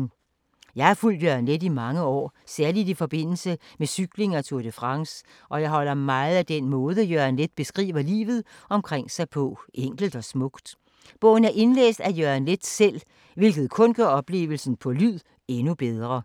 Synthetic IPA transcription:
jɑ̈ɪæɐful̰d̥jøɐnledimɑ̈ŋəɒ̰ːsæɐlid̥ifɒ̽b̥e̝n̰l̩səmesyɡ̥le̝ŋæt͡sʰuɐd̥əfʁɑ̈ŋs | ʔɒ̽jɑ̈ɪɦɒ̽l̰ɐmɑ̈ɪð̞̩ˠæd̥enmɔ̽ːð̞ˠəjøænled̥̚b̥e̝sɡ̥ʁḭːʋɐlḭːʋð̞̩ˠ | ɒ̽mkʰʁeŋ̰sɑ̈ɪpʰɔ̽ʔeŋ̰ɡ̥l̩d̥ɒ̽smɔ̽ɡ̥d̥ | b̥ɔ̰̽ːʊn̩æɐʔe̝nlḛːsd̥æjøænle̝d̥sel̰ | ʋe̝lɡ̥ð̞̩ˠkʰɔ̽nɡ̥ɶɐ̰ɒ̽b̥le̝̰ːʊʋl̩sn̩pʰɒ̽lyð̰ˠ | e̝nub̥eð̞ˠʁɐ

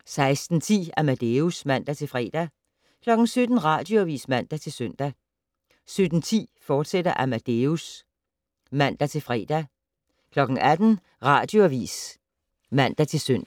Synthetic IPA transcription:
sɑ̈ɪsd̥n̩t͡sʰḭːæmæd̥eusmæn̰d̥æt͡sʰe̝lfʁɛ̰ːd̥æ | kʰlɒ̽ɡ̥n̩sød̥n̩ʁɑ̰̈ːd̥jo̝æʋḭːsmæn̰d̥æt͡sʰe̝lsøn̰d̥æ | sød̥n̩t͡sʰḭːfɒːd̥sed̥ɐʔæmæd̥eus | mæn̰d̥æt͡sʰe̝lfʁɛ̰ːd̥æ | kʰlɒ̽ɡ̥ŋ̩ʔæd̥n̩ | ʁɑ̈ːd̥jo̝æʋḭːs | mæn̰d̥æt͡sʰe̝lsøn̰

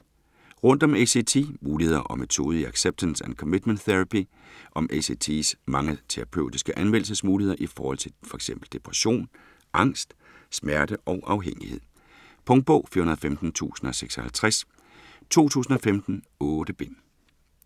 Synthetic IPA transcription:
ʁɔ̽n̰d̥ɒ̽mese̝t͡sʰe̝̰muːlihe̝ðˠɐʔɒ̽met͡sʰo̝ːð̞ˠiæɡ̥seb̥̚t͡sʰænsænkʰɒmid̥mənd̥θeʁapi | ʔɒ̽mʔese̝t͡sʰḛsmɑ̈ŋət͡sʰeʁɑ̈pʰøʊ̰d̥isɡ̥əʔænmenl̰̩səsmuːlihe̝ð̰ˠɐʔifɒːhɒ̽l̰t͡sʰe̝fɒ̽e̝ɡ̥semb̥l̩d̥e̝pʰʁæɕo̝̰ːn | ʔɑ̈ŋ̰sd̥ | smæɐd̥əʔɒ̽ʊʔɑ̈ʊɦeŋ̰ihe̝ð̰ˠ | pʰɔ̽ŋd̥̚b̥ɔʊfiɐhunɐðˠfemd̥n̩t͡sʰṵːsn̩ɒ̽seɡ̥sɒhælt͡sʰʁæs | t͡sʰo̝̰ːt͡sʰṵːsn̩ɒ̽femd̥n̩ | ɔːɾ̥əb̥e̝n̰

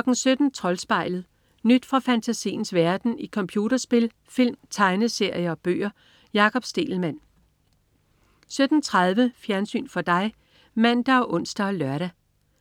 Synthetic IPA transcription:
ɡ̥n̩sød̥n̩t͡sʰʁɒ̽lsb̥ɑ̈ɪ̰lð̞̩ˠ | nyd̥fʁɑ̈fænt͡sʰæsḭːn̩sʋæɐd̥n̩ikʰɒ̽mpʰjuːɾɐsb̥e̝l | fil̰mt͡sʰɑ̈ɪnəse̝ɐ̰jɐɒ̽b̥ø̰ːɐ | jɑ̈ːkʰɒ̽b̥sd̥e̝̰ːl̩mæn̰ | sød̥n̩t͡sʰʁɑð̞ˠʋəfjæɐnsy̰ːnfɒ̽d̥ɑ̈ɪ | mæn̰d̥æɒ̽ʔɔ̽n̰sd̥æɒlɶɐɾæ

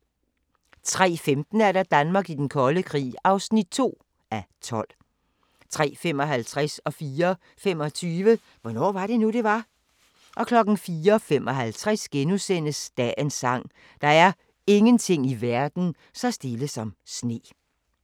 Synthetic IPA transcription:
t͡sʰʁɛ̰ːfemd̥n̩æɐɾɑ̈d̥ænmɑ̈ːɡ̥id̥enkʰɒ̽ləkʰʁḭːɑ̈ʊsnid̥̚t͡sʰo̝̰ː | æt͡sʰɒ̽l̰ | t͡sʰʁɛ̰ːfem̰ɒ̽ɦælt͡sʰʁɛsɒ̽fiːɐ | femɒ̽t͡sʰyːʋə | ʋɒnɒ̰ːʋɑ̈ɾe̝nuɾ̥e̝ʋɑ̈ | ʔɒ̽kʰlɒ̽ɡ̥n̩fiːɐɒfemʔɒ̽ɦælt͡sʰʁasɡ̥enusen̰əsd̥ɛensɑ̈ŋ̰ | d̥ɑ̈æɐ | e̝ŋənt͡sʰe̝ŋ̰iʋæɐd̥n̩ | sɑsd̥e̝ləsɒ̽msne̝̰ː

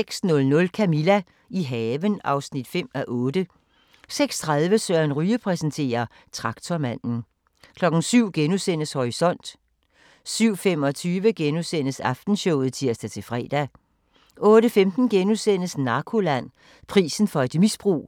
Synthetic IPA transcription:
eɡ̥snɔ̽lnɔ̽lkʰæmilæ | iɦɛːʋənɑ̈ʊsnid̥fem̰æʔɔːdə | seɡ̥st͡sʰʁɑðˠʋəsœɐnʁyːəpʰʁɛsənt͡sʰe̝̰ːɐ | t͡sʰʁɑ̈ɡ̥̚t͡sʰomæn̰n̩ | kʰlɒ̽ɡ̥n̩syʊ̰ɡ̥enusen̰əshɒʁisɒ̽n̰d̥ | syʊ̰fem̰ɒ̽t͡sʰyːʋəɡ̥enusen̰əsɑ̈fd̥n̩ɕɔʊ̰ð̞̩ˠt͡sʰiɐsd̥æt͡sʰe̝lfʁɛ̰ːd̥æ | ʔɔ̽ːdəfemd̥n̩ɡ̥enusen̰əsnɑ̈kʰo̝læn̰ | pʰʁḭːsn̩fɒ̽e̝d̥misb̥ʁṵː

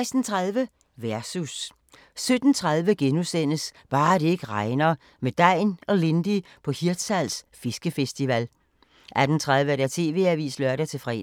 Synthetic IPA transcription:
ɪsd̥n̩t͡sʰʁaðˠʋə | ʋæɐsus | sød̥n̩t͡sʰʁɑ̈ðˠʋəɡ̥enusen̰əsb̥ɑ̈ːɾ̥e̝e̝ɡ̥əʁɑ̈ɪnɐ | med̥ɑɪ̰nɒ̽le̝nd̥i | pʰɒ̽hiɐd̥sælsfisɡ̥əfesd̥iʋæl | ʔæd̥n̩t͡sʰʁɑð̞ˠʋəæɐɾ̥æɐt͡sʰe̝̰ːʋe̝̰ːæʋḭːslœɐɾ̥æt͡sʰe̝fʁɛ̰ː

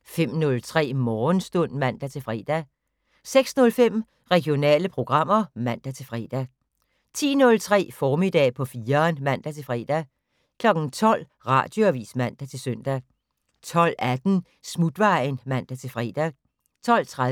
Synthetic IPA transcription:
fem̰nɔ̽lt͡sʰʁɛ̰ːmɒːnsd̥ɔn̰mæn̰d̥æt͡sʰe̝lfʁɛːd̥æ | seɡ̥snɔ̽lfem̰ | ʁɛɡ̥jo̝nɛ̰ːləpʰʁo̝ɡ̥ʁɑ̈m̰ɐmæn̰d̥æt͡sʰe̝lfʁɛ̰ːd̥æ | t͡sʰḭːnɔ̽lt͡sʰʁɛ̰ːfɒːmid̥ɛ̰ːpʰɒ̽fiːɐːnmæn̰d̥æt͡sʰe̝fʁɛ̰ːd̥æ | kʰlɒ̽ɡ̥n̩t͡sʰɒ̽l̰ | ʁɑ̰̈ːd̥jo̝æʋḭːsmæn̰d̥æt͡sʰe̝lsøn̰d̥æ | t͡sʰɒ̽l̰æd̥n̩ | smud̥ʋɑ̈ɪnmæn̰d̥æt͡sʰe̝fʁɛ̰ːd̥æ | t͡sʰɒ̽l̰t͡sʰʁa

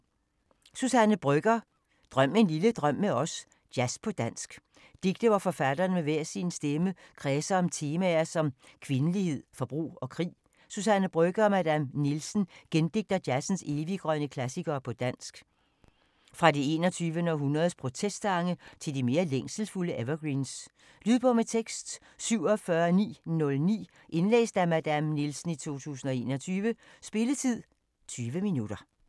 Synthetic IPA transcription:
susænəbɡ̥ɐ | d̥ʁɶm̰e̝nliləd̥ʁɶm̰ːeɒ̽s | d̥jæspʰɒ̽d̥æn̰sɡ̥ | d̥iɡ̥̚d̥əʋɒfɒ̽fæd̥ɐːnmeʋeɐ̰sinsd̥eməkʰʁɛːsɐɒ̽mt͡sʰe̝ːmæɐsɒ̽mkʰʋe̝nəlihe̝ð̰ˠfɒ̽b̥ʁṵːɒ̽kʰʁḭː | susænəb̥ʁøɡ̥ɐɒ̽mæd̥æmnilsn̩ɡ̥end̥e̝ɡ̥̚d̥ɐd̥jæsn̩se̝ːʋiɡ̥ʁɶnəkʰlæsiɡ̥ɐːpʰɒ̽d̥æn̰sɡ̥ | fʁɑ̈die̝ːnɒt͡sʰyːʋənəɒ̽ɦunɐð̞ˠspʰʁo̝t͡sʰesd̥ɑ̈ŋət͡sʰe̝ld̥ime̝ːɐleŋ̰sl̩fuləʔeʋɐɡ̥ʁins | lyð̞ˠb̥ɔmet͡sʰeɡ̥sd̥ | syʊ̰ɒ̽fɶɐnḭːnɔ̽lnḭː | ʔe̝nlḛːsd̥æmæd̥æmnilsn̩it͡sʰo̝̰ːt͡sʰṵːsn̩ɒ̽e̝̰ːnɒ̽t͡sʰyːʋəsb̥e̝lət͡sʰið̰ˠ | t͡sʰyːʋəminud̥ɐ

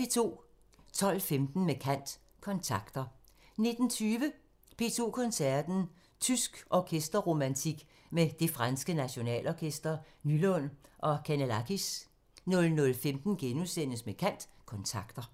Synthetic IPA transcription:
e̝t͡sʰo̝̰ː | t͡sʰɒ̽lfemd̥n̩mekʰæn̰d̥ | kʰɒ̽nt͡sʰɑ̈ɡ̥d̥ɐ | ne̝d̥n̩t͡sʰyːʋə | pʰe̝̰t͡sʰo̝̰ːkʰɒ̽nsæɐd̥n̩ | t͡sʰysɡ̥ʔɒkʰesd̥ɐʁo̝mænt͡sʰiɡ̥ | med̥e̝fʁɑnsɡ̥ənæɕo̝nɛ̰ːlʔɒkʰesd̥ɐ | nylɔn̰ʔɒ̽kʰænælækʰis | nɔ̽lnɔ̽lfemd̥n̩ɡ̥enusen̰əsmekʰæn̰d̥kʰɒ̽nt͡sʰɑ̈ɡ̥d̥ɐ

